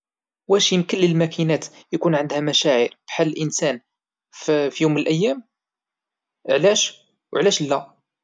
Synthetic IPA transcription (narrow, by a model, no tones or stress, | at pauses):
wæʃjəmkəlːəlmækinæt̪jkunʕənd̪hæmæʃæʕəɾbħalːəlʔənsæn | fijumːənəlʔæjːæm | ʕlæʃ | wʕlæʃlːæ